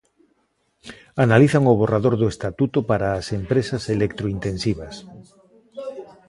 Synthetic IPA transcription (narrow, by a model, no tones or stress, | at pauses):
analiθaŋoβ̞oraðoɾðoest̪at̪ut̪opaɾaːsempɾesaselek̚t̪ɾoint̪ensiβas